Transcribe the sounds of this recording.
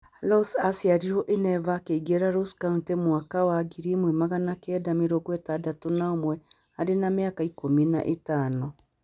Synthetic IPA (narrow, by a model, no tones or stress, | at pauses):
lɔsasiaɾiɾoʔenɛvaːkeiɡeɾaɾoskauntemwakawaɡiɾimwɛmaɣanakɛːdameɾoɡwɛtadatonaomwɛ | aɾenameakaikomina̰ʔetaːnɔ